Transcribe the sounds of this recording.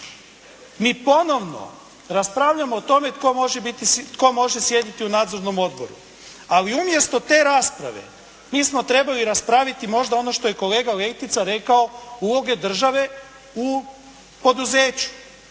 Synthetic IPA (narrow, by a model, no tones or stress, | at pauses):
miːpo̞no̞ʋno̞̰ | ɾaspɾaːʋʎamo̞ːt̪o̞me̞t̪ko̞moʒebit̪it̪ko̞mo̞ʒesje̞d̪it̪iunaːd̪zo̞ɾno̞mo̞d̪bo̞ɾṵ | aliumjest̪o̞t̪e̞ːɾaːspɾa̰ʋe̞̰ | miːsmo̞t̪ɾe̞baliɾaspɾaːʋit̪imo̞ʒd̪ao̞no̞ʃt̪o̞je̞ko̞le̞ːɡale̞jt̪it̪saɾe̞kao̞ulo̞ɡe̞d̪r̩ʒaʋe̞ | u | po̞d̪uze̞ːt͡ɕu̥